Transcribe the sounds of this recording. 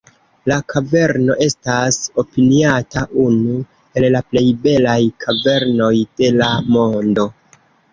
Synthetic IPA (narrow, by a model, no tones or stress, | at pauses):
lakʰave̞ɾno̞ʔe̞staso̞piniataʔunu | e̞llaple̞jbe̞lajkʰave̞ɾno̞jd̥e̞lamo̞ndo̞